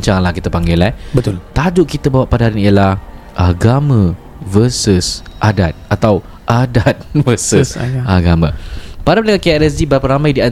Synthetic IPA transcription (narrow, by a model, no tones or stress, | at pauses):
ɲt͡ʃaŋlahkit̪apaŋɡɪlɛbət̪ʊlt̪ad͡ʒʊʔkit̪abawaʔpadaɦaɾiiəlah | ʔaɡamã | vəsusʔadat̪̚at̪aw | ʔadat̪̚vəsusaɡamãpadapəlakakajaʔɾɛs̬dibəɾapəɾamãjdia